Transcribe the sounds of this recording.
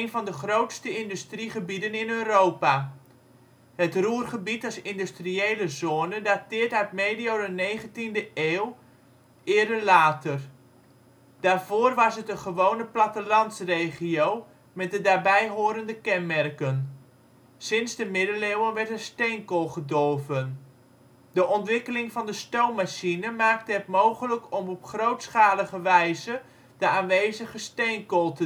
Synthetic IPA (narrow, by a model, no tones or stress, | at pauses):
jnvɑndəχrowtstəɪndystriχəbidənɪnøːrowpa | hətruːrχəbitɑsɪndystriejləzoːnədatɪːətaɥtmeːdijowdənejχəntindəʔeːw | ɪːɾəlaːtər | d̥aːrvoːrʋɑsətəχəʋownəplatəlɑnsreːχiow | mɛt̚dədaːɹbɛjɦʊːɾəndəkɛnmɛrkən | sɪnzdəmɪdəlewənʋɛɹtəstejŋkɔlˠχədɔrvən | dəʔɔntʋɪkəlɪŋvɑndəstowmmaʃinəmaːk̚təɦətmowχələkɔmɔpχrowtsχaːləχəʋɛjzə | dəaːnʋejzəχəstejŋkɔlˠtə